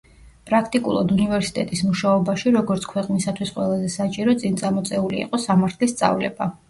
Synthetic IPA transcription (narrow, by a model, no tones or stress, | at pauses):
pʼɾakʰt̪ʼikʼṵlˠɔ̰d̪univɛɾsi̥t̪ʼɛt̪ʼismuʃaɔbaʃiɾɔɡɔɾt̪sʰkʰwɛqʼnisat̪ʰwisqʼwɛlˠazɛsat͡ʃʼiɾɔt̪sʼint̪sʼamɔt̪sʼɛulḭːqʼɔsamaɾt̪ʰlist̪sʼa̰vlɛ̰ba